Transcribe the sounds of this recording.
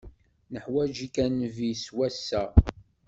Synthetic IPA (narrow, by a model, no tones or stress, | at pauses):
nəħwæd͡ʒikænviswæsːæ